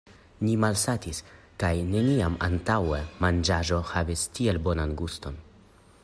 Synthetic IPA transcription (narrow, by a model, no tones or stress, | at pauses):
nimalsatis | kajne̞niama̰ntawemand͡ʒaʒo̞havistie̞lbo̞nanɡusto̞n